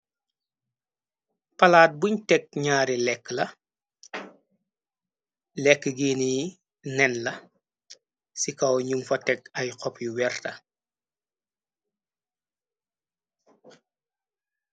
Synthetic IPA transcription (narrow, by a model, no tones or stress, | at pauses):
pɐlaːt̚buɲtɛk̚ɲaːɾilɛkːlɐ | lɛkːəɡiːniji | nɛnlɐ | sikɐwɲumfɐtɛk̚ɐjqɔpjuwɛrtɐ